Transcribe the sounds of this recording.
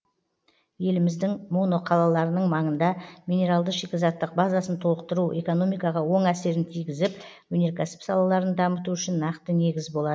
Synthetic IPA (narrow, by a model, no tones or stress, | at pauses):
je̞lɪmɪzd̪ɪŋmo̞no̞qʰɑlˠɑlˠɑɾənəɴmɑɴənd̪ɑmʲijne̞ɾalˠd̪əʃekʲezɑt̪ːəq̚bazɑsənt̪ʰo̞lˠəq̚t̪əɾuʔe̞̰ko̞no̞mijkɑʁɑwo̞ɴæse̞ɾɪnt̪ʰijɡʲɪzɪp̚wɵne̞ɾkʲʰæsɪ̥psɑlˠɑlˠɑɾənd̪ɑmət̪uʏʃɪnːɑqt̪əne̞ɡʲɪzbo̞lˠɑd̪ə